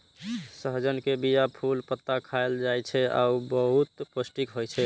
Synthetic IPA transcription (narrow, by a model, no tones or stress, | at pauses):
səɦd͡ʒənkebijapʰulpət̪ːakʰaeld͡ʒajt͡ʃʰɛa̰ubəɦut̪pəsʈikɦojt͡ʃʰɛ